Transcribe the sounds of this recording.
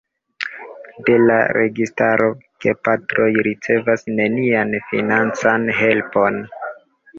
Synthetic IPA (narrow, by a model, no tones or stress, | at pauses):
de̞la̰ɾe̞̰ɡistaɾo̞ke̞patɾo̞jɾit͡se̞vasne̞nianfḭnant͡sanɦe̞lpo̞n